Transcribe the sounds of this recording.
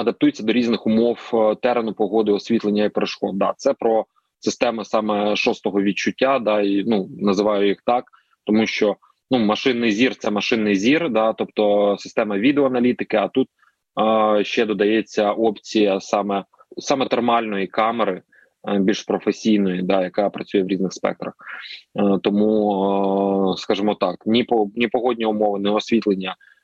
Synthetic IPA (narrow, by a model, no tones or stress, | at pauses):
ɐd̪ɐp̚t̪ujet͡sʲːɐd̪ɔɾʲiznɪxʊmɔwt̪ɛɾenʊpɔɦɔd̪ɪɔsʲʋʲit̪lˠenʲːɐipeɾeʃkɔd̪̚d̪ɑt̪sɛpɾɔ | sɪst̪ɛmɪsɑmɛʃɔst̪ɔɦɔʋʲit͡ʃʊtʲːad̪ɑinunɐzɪʋɑjʊjixt̪ɑk | t̪ɔmuʃt͡ʃɔ | numɐʃɪnːɪjzʲirt̪sɛmɐʃɪnːɪjzʲird̪ɑt̪ɔp̚t̪ɔsɪ̥st̪ɛmɐʋʲid̪eɔɐnɐlʲit̪ɪkɪɐt̪ut̪̚ | ʃt͡ʃɛd̪ɔd̪ɐjɛt͡sʲːɐʔɔpt͡sʲijɐsɑmɛ | sɑmɛt̪ermɑlʲnɔjikɑmeɾɪ | bʲilʲʃpɾɔfesʲijnɔjid̪ɑjɐkɑpɾɐt͡sʲujɛʋɾʲiznɪxspɛ̰k̚t̪ɾɐx | t̪ɔmu | skɑʒɪmɔt̪ɑknʲipɔnʲipɔɦɔdʲnʲiʊmɔʋɪnɛɔsʲʋʲit̪lˠenʲːɐ